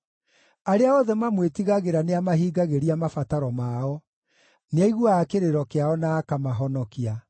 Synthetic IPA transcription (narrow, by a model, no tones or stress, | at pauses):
aɾeaɔðɛmamwetiɣaɣeɾaneamaɦiːɡaɣeɾiamafataɾɔmaɔ | neaiɣwaːkeɾeɾɔkeaɔnaːkamaɦɔnɔkia